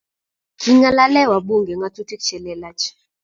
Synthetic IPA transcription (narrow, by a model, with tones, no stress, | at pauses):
kʰi˨ŋa˦la˦lɛ˦˨wa˨ɓu˦˨ŋɡɛ˨ŋɡa˦tu˦ti˦k̚t͡ʃɛ˨lɛ˨la˦t͡ʃ